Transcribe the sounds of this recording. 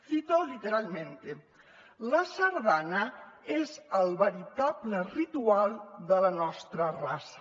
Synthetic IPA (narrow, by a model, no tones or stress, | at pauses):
θit̪olit̪eɾalˠmẽnt̪e | ləsəɾðanəezəlˠβəɾit̪ablərit̪ualˠd̪ələnɔst̪ɾərasə̥